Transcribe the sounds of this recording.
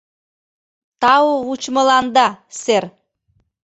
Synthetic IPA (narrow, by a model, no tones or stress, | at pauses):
t̪ɑwout͡ɕməlɑnd̪ɑser